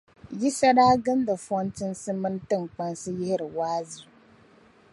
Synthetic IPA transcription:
ji˦sa˦daː˦ɡɨ˦n˦dɨ˨fɔ˦n˦tɨ˦n˦sɨ˦mɨ˦n˦tɨ˦˨ŋ˨k͡pa˦nsɨ˦jɪ˦hɪ˦ɾɨ˨waː˦zɨ˨

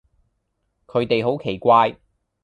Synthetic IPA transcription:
kʰɵ˨˧ɥt̪e˨jɦo˨˥wkʰe˨˩jkʷaː˧j

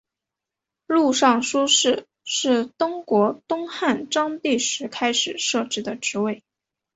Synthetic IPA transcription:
lu˥˧ʂɑ˥˩ŋʂu˥ʂɻ̩˥˩ | ʂɻ̩˥˩t̪ʊ˥ŋkwɔ˧˥t̪ʊ˥ŋxa˥˩nʈ͡ʂɑ˥ŋt̪i˥˩ʂɻ̩˧˥kʰa˥ɪʂɻ̩˨˩ʂɤ˥˩ʈ͡ʂɻ̩˧˥d̪ə˧ʈ͡ʂɻ̩˧˥we˥˩ɪ

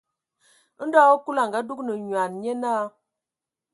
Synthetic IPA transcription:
n̩˦dɔ˦o˦ku˦la˨ŋ˨ɡa˨˦du˦knə˨ɲɥa˨nɲe˦naː˦

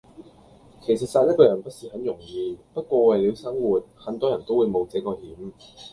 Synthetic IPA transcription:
kʰe˨˩js̬ɐ˨t̚saː˧jɐ˥kɔː˧jɐ˨˩npɐ˥t̚siː˨hɐ˨˥njʊ˨˩ŋjiː˨˧pɐ˥t̚kʷɔː˧wɐ˨jliː˨˧wsɐ˥ŋwuː˨˩t̚hɐ˨˥nt̪ɔː˥jɐ˨˩nt̪o˥wuː˨˧jmo˨˧wt͡sɛ˨˥ŋkɔː˧hiː˨˥m

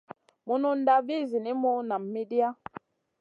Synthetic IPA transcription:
mu˦nu˦n̩˦da˦vi˦˨zi˨ni˦mu˦na˨mːi˦di˦a˦

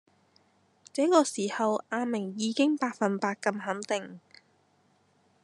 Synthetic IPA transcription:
t͡sɛː˨˥kɔː˧siː˨˩hɐ˨wʔaː˧mɪ˨˩ŋjiː˨˧kɪ˥ŋpaː˧k̚fɐ˨npaː˧k̚kːɐ˧mɦɐ˨˥nt̪ɪ˨˩ŋ

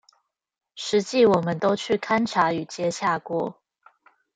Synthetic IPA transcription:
ʂɻ̩˨˧˦t͡ɕi˥˨wɔ˨˩mə˨˦nt̪o˥ʊt͡ɕʰy˥˩kʰa˦nʈ͡ʂʰa˧˥y˨˩t͡ɕjɛ˥ɕja˥˧kwɔ˥˩

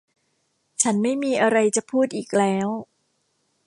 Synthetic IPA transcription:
t͡ɕʰa˦˥nma˥˩jmiː˧ʔa˧ɾa˧jt͡ɕa˨˩pʰuː˥˩t̪̚ʔiː˨˩k̚lɛː˦˥w

